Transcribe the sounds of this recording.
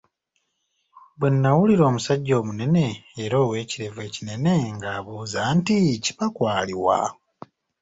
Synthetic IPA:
bwenːawuliɾo̞ːmusaɟːo̞ːmune̞ne̞ːɾo̞ːwe̞ːciɾe̞ve̞ːcine̞ne̞ŋɡaːβuːzaːntici̥pakwaːliwa̰

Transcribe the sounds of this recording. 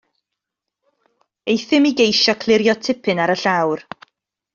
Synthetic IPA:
ejθɪmiɡejʃɔkʰlˠɪɾjɔtʰɪpʰɨnaɾəɬawr

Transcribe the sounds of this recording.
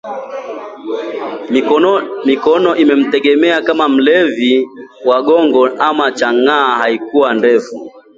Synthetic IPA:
mikɔnɔʔimɛm̩tɛɡɛmɛakamam̩lɛviwaɠɔŋɡɔʔamat͡ʃaŋaːhaikuwandɛfu

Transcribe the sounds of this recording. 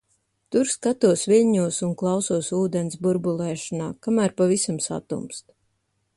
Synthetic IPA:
t̪uɾskat̪uɔsviʎʲɲuɔsunklˠɑwsuɔsuːd̪ɛnsbuɾbulˠɛːʃanaːkamæːɾpavisamsa̰t̪ṵmst̪

